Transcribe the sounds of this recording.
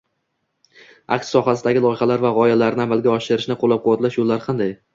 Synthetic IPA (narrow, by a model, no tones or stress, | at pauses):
a̰kʃsɒχasɪd̪aɡʲɪlˠɒjχɑlaɾvaʁɒjalaɾnɪamalˠɡʲaɒʃɪɾɪʃnɪqʰolːap̚qʰʊwat̪laʃʊlːaɾqʰɑnd̪aj